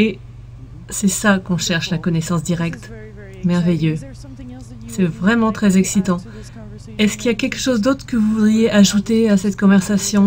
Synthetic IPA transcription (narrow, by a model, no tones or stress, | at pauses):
e | sɛsakɔ̃ʃɛʁʃlakɔnɛsɑ̃sd̪iʁɛkt̪ | mɛʁvejø | sɛvʁɛmɑ̃t̪χɛzɛksit̪ɑ̃ | ɛskʲiljakʲɛlkə̥ʃozd̪ot̪χəkəvuvud̪ʁijeʔaʒut̪easɛt̪kɔ̃vɛʁsasjɔ̃